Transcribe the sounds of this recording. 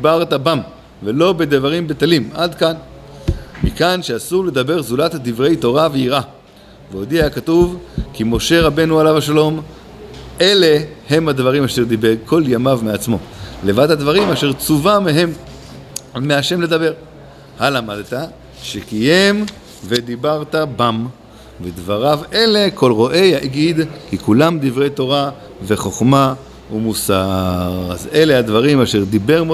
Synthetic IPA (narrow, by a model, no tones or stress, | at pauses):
dibaʁt̪abam | velo̞be̞d̪evaʁimbet̪alimad̪kan | mikanʃeasuʁle̞d̪abe̞ʁzulat̪had̪ivʁe̞jto̞ʁaveiʁʔa | veod̪iaakatuvkimo̞ʃe̞ʁabe̞nualavaʃalo̞m | e̞le̞he̞mhad̪vaʁimaʃeʁd̪ibeɡ̚kʰo̞ljamavmeat͡smo̞̰le̞vad̪had̪vaʁimaʃe̞ʁt͡suvameɦe̞mː | eaʃe̞mle̞d̪abe̞ʁ | halamad̪t̪a | ʃekije̞m | ve̞d̪ibaʁt̪abam | ved̪vaʁavele̞kʰo̞lʁo̞ʔe̞jaʔɡid̪kikulamd̪ivʁet̪o̞ʁa | ve̞χo̞χma | umusaʁa̰ze̞le̞had̪vaʁimaʃeʁd̪ibe̞ʁmo